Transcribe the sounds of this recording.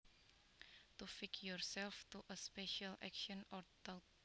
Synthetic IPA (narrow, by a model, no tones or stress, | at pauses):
t̪ufɪkjɔɹsɛlft̪uʔəspɛʃalæ̰kʃɔ̃nɔd̪at